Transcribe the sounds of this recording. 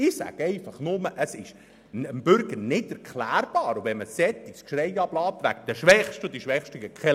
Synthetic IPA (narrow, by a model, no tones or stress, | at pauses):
ɪsæ̰ɡ̥ɛɪfɑχnʊməʔəsɪʃ | əmbʏɾɡəɾnɪdɛɾkχlæːɾb̥ɑːɾʊvɛnməsɛt̪ːɪskʃɾɛjɑblɑːptʋæ̰k̚d̥̪əʃʋɛχʃtʊd̪iʃʋɛχʃtəɡəkχɛ